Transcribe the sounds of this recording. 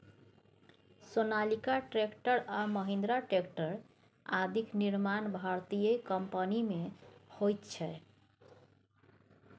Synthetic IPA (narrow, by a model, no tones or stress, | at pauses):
sonalikaʈɾekʈəɾaməɦĩnd̪ɾaʈɾek̚ʈəɾ | ad̪ʱikniɾmanbʱaɾt̪ijəjkəmpənimehojt̪t͡ʃʰɛ